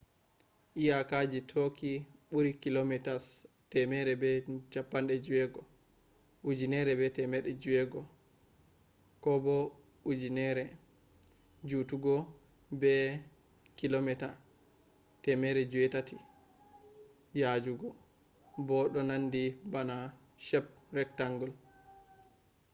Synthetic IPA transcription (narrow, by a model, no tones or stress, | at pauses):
ʔijakad͡ʒitʰokiɓuɾikilomɛtas | tɛmɛɾɛbɛt͡ʃapːanɗɛd͡ʒuwɛɡɔ | ʔud͡ʒinɛɾɛbɛtɛmɛɗɛd͡ʒuwɛɡɔ | kɔbɔ | ud͡ʒinɛɾɛ | d͡ʒutuɡɔ | bɛ | kilomɛta | tɛmɛɾɛd͡ʒuɛtatʰi | jad͡ʒuɡɔ | bɔɗɔnandibana | ʃɛp̚ɾɛk̚taŋɡɔl